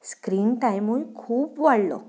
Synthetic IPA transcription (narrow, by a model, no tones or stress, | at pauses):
skɾiːnʈajmujkʰuːpʋaɽlɔ̰